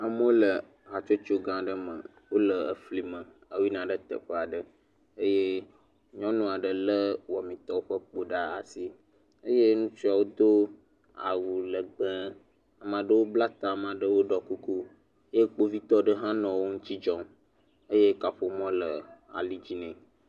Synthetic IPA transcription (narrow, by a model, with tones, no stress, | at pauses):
ə˦m˦lə˨ | a˨t͡ʃo˦t͡ʃo˦ɡã˨ɖə˦mə˨ | wo˦lə˨ə˨fli˦mə̃˨ | ə˨wi˦nã˨ɖə˦t̪ə̰˨ɸə˦a˨ɖə˦ | ə˦je˦ | ɲɔ̃˦nɔ̃˨a˨ɖə˨lə˦wɔ˨mĩ˨t̪ɔ˦wo˦ɸə˦k͡po˦ɖa˦a̰˨si˦ | ə˦je˦nũ˦si˦a˨wo˦d̪o˦ | a̰˨wu˨lə˨ɡ͡bə̃˦ | a˨mã˨ɖə˦wo˦bla˦t̪a˨mã˨ɖə˦wo˦ɖɔ˨ku˦ku˦ | je˦k͡po˦vi˦t̪ɔ˦ɖə˦ɦã˦nɔ̃˨wo˦ŋũ˦t͡ɕ̪i˦d͡ʒɔ̃˦m | ə˦je˦ka˨ɸo˦˨mɔ̃˦lə˨a̰˨li˦d͡ʑi˦nɛ̃˨